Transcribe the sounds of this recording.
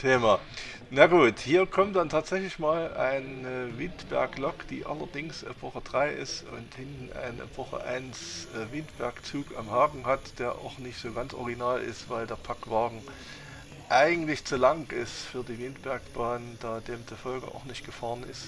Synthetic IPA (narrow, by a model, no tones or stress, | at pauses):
tʰeːmaː | naɡuːthiːɐkʰɔmtd̥antʰaːtz̥ɛçlɪçmaːlaɪnəvɪntb̥ɛ̰ɐklɔkd̥ḭːʔa̰lɐdɪŋsʔɛ̰pʰɔχəd̥ʁaɪʔɪ̰stʊ̰nthɪntn̩ʔa̰ɪnɛ̰pɔχə̰ʔa̰ɪnsɛvɪntb̥ɛɐkt͡suːka̰mhaːɡŋ̩ɦatd̥eːɐʔa̰ʊxnɪçtz̥oːɡant͡sʔɔ̰ʁɪɡinaːlʔɪ̰stv̥aɪldeːɐpʰakv̥aːɡŋ̩ | ʔaɪɡŋ̩tlɪçt͡sulaŋɪstfyːɐdiːvɪntb̥ɛɐkb̥aːnd̥aːd̥eːmt͡sufɔlɡəʔa̰ʊxnɪçt̚ɡ̥əfaːʁənɪ̰st